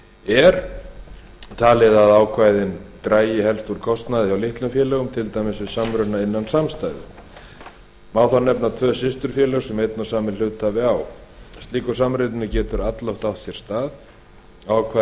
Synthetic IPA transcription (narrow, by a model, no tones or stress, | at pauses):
ɛɾ̥ | t̪ʰaːlɪðaðaːwkʰvaːjðɪnt̪ɾaːjɪhɛlst̪vuɾkʰɔst̪naðɪçawlɪht̪lʏmfjɛːlɛːɣʏmt̪ʰɪlt̪aːjmɪsvɪðsamɾʏnaɪnːansamst̪ajðʏ̰ | maːwθanɛpnat̪ʰvœːsɪst̪ʏɾ̥fjɛːlɛɣsɛmejt̪nawsaːmɪnl̥ʏːt̪avɪawst̪iːkʏ̥samɾɪt̪nɪnɪcɛːt̪ʏɾat̪lowht̪awht̪sjɛɾ̥st̪aːð | aːwkʰva